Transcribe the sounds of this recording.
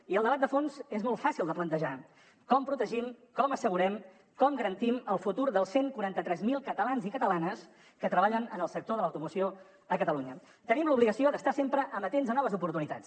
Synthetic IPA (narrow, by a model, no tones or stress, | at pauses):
iəlˠd̪əβat̪̚d̪əfonzezmɔlˠt̪fasilˠd̪əplənt̪əʒa | kɔmpɾut̪əʒimkɔməsəɣuɾɛm | kɔmɡəɾənt̪iməlˠfut̪uɾðəlˠseŋkuɾant̪ət̪ɾɛzmilˠkət̪əlanzikət̪əlanəs | kət̪ɾəβaʎənənəlˠsək̚t̪oðələwt̪umusio | əkət̪əluɲə | t̪ənimluβliɣəsiod̪əst̪asempɾəʔəmbət̪enzðənɔβ̞əzupuɾt̪unit̪a̰t͡s